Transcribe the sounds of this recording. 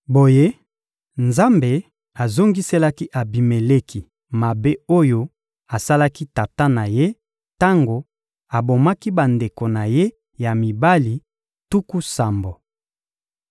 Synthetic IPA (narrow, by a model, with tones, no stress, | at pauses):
bo˨je˦ | nza˦mbe˨ | a˨zo˦ŋɡi˦se˦la˦ki˦ʔa˨bi˨me˨le˦kʰi˨ | ma˨be˦o˦jo˦ | a˨sa˦la˦ki˦ta˨ta˦na˨je˦ | ta˦ŋɡo˨ | a˨bo˨ma˦ki˦ba˨nde˨ko˨na˨je˦ | ja˨mi˨ba˦li˨ | tu˦ku˦sa˨mbo˨